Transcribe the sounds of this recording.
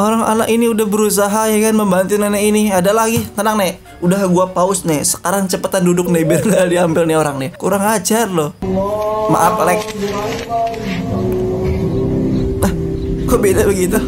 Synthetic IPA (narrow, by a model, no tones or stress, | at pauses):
ʔoɾaŋa̰na̰ʔiniudahbəɾus̬aɦajakanməmbant̪ɪnanainiadalaɡit̪ənaŋnɛ | udaɦɡuapaʊsnɛsə̥kaɾaŋt͡ʃəpət̪andudʊk̚nɛbilaadiambɪlnɪoɾaŋnɪkuɾaŋad͡ʒarlo | ma̰ʔat̪lɛk̚ | ahkoʔbedabəɡit̪u